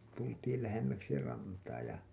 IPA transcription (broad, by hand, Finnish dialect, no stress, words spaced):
tultiːl læhemːæksi rɑntɑː jɑ